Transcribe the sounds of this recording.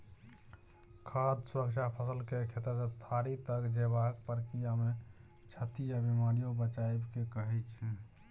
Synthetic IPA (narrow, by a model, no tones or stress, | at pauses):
kʰad̪sɾəkt͡ʃʰapʰəsəlkekʰet̪əsət̪ʰaɾit̪əkd͡ʒebakpəɾkijame | t͡ʃʰət̪ijabimaɾijobət͡ʃaebkekəɦɛt͡ʃʰɛ